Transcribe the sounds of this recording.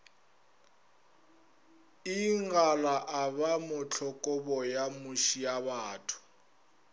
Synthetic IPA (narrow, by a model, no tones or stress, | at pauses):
iŋɡalaʔaβamʊt͡ɬʰɔkʼɔbɔjamuʃijaβaːtʰʊ̥